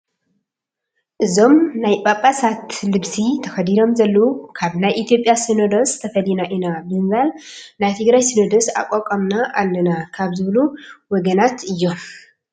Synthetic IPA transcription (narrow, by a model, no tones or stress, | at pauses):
ʔɨzo̞mnajbʼapʼːasat̪lɨβsit̪ʰɐxɐd̪id̪o̞mzɐlːɐwukʰaβnajʔit̪ʰijo̞pʼjasinod̪ost̪ʰɐfɐlinaʔinabɨɨmbalnajt̪ʰɨɡɾajsɨnod̪osa̰kʼokʼɐmnaʔalːɐnakʰaβzɨβluwɔɡɐnat̪ɨjːo̞m